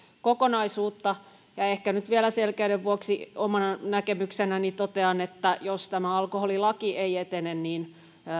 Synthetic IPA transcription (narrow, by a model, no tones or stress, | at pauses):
kokonɑisuːt̪ːɑ | jɑehkænyt̪ʋielæselkeydeʋʋuoksiomɑnɑnækemyksenænit̪ot̪eɑnet̪ːæjost̪æmæɑlkoholilɑkiʔeiet̪enenniːn